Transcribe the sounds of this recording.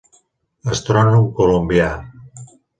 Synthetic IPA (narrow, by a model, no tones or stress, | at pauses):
ast̪ɾonumkolombia